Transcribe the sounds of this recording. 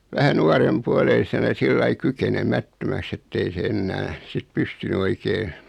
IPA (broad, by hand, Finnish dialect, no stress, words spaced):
ʋæhæ nuɑrem puoleisenɑ silːɑi kykenemætːømæks etːei se enːæː sit pystyny oikeː